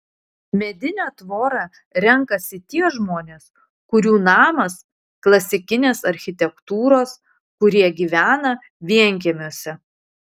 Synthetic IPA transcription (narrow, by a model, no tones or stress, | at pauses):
mʲɛd̪ʲɪnʲæːt̪ʋoːɾɑː | ɾʲɛŋkɐsʲɪt̪ʲiɛʒmoːnʲeːs | kʊɾʲuːnɑːmɐs | klˠɐsʲɪkʲɪnʲeːsɐɾʲxʲɪt̪ʲɛkt̪uːɾoːs | kʊɾʲiɛɡʲiːʋʲæːnɐ | ʋʲiɛŋʲk̬ʲɛmʲoːsʲɛ